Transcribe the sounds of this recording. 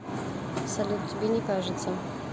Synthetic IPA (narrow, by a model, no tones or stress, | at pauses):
sɐlʲut̪̚tʲɪbʲenʲɪkaʐɨt̪sə